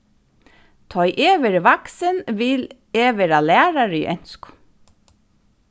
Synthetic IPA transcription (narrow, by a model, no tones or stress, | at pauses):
t̪ʰɔʏʔeːʋəɹʋɑksənʋɪl | eːʋəɾɑːlæːɹɑɾḭːʔœnt̪skʊ̥